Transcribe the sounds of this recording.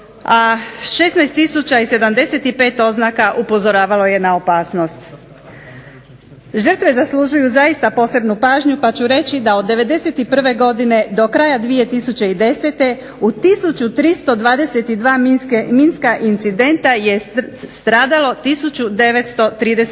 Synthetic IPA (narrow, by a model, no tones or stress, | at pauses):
aʃe̞snajst̪ːisut͡ɕaise̞d̪amd̪e̞se̞t̪ipe̞ːt̪o̞znakaʔupo̞zo̞ɾaːʋalo̞je̞nao̞paːsno̞st̪ | ʒər̩t̪ʋe̞zasluʒujuzaist̪apo̞ːse̞bnupaːʒɲupat͡ɕuɾe̞t͡ɕid̪ao̞d̪ːe̞ʋe̞d̪e̞se̞t̪ipr̩ʋe̞ɡo̞d̪ine̞d̪o̞kɾaːjad̪ʋije̞t̪isut͡ɕe̞id̪e̞se̞t̪e̞ | ut̪isut͡ɕut̪ɾist̪o̞d̪ʋaːd̪e̞se̞t̪id̪ʋaːminskeminskaʔint̪sid̪e̞nt̪aje̞st̪ɾaːd̪alo̞t̪isut͡ɕud̪e̞ʋe̞t̪st̪o̞t̪ɾiːd̪es